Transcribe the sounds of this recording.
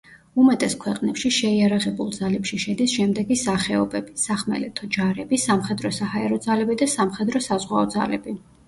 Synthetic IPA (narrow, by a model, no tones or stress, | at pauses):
umɛt̪ʼɛskʰwɛqʼnɛpʃiʃɛiaɾaʁɛbulˠd̪zalɛpʃiʃɛd̪isʃɛmd̪ɛɡisaχɛɔbɛb̥isaχmɛ̰lɛt̪ʰɔd͡ʒaɾɛbisamχɛd̪ɾɔsahaɛɾɔd̪zalɛbid̪asamχɛd̪ɾɔsazʁwaɔd̪za̰lɛ̰bi